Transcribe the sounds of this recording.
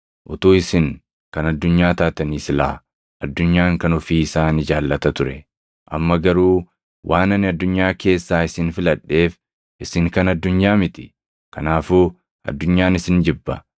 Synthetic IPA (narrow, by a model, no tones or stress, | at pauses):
ʔʊt̪uːɪsɪŋ | kɐnɐd̪ːʊɲːaːt̪aːt̪ɐniːsɪla̰ː | ʔɐd̪ːʊɲːaːŋkɐnɔfiːɪsaːnɪd͡ʒaːlːɐt̪ɐt̪ʊɾɛ | ʔɐ̰mːɐɡɐɾuː | wʔaːnɐnɪɐd̪ːʊɲːaːke̞ːsːaːɪsɪnfɪlɐᶑːe̞ːf | ʔɪsɪŋkɐnɐd̪ːʊɲːaːmɪt̪ɪ̥ | kɐnaːfuː | ɐ̰d̪ːʊɲːaːnɪsɪnd͡ʒɪbːɐ̰